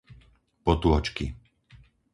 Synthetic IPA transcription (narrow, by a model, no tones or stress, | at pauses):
pɔt̪uɦɔt͡ʃki